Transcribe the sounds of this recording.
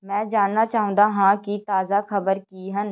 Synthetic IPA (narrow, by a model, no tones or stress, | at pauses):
mɛ̃ːd͡ʒaːnːaːt͡ʃaːɦə̃ːnd̪aːɦãːkit̪aːzaːkʰəbəɾkiːɦən